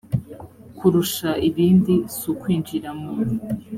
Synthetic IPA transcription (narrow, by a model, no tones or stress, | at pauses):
kʰuɾuʃaʔiβiːndisukwiːnd͡ʒiɾamon